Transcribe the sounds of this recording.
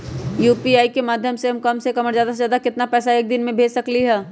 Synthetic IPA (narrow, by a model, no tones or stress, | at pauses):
juːpiaːikemaːd̪ʱjəmseɦɐmkɐmsekɐməɾzjaːd̪asezjaːd̪akɪt̪napɛːsaeːk̚d̪ɪnmẽbʱeːd͡ʒsɐkliɦɛː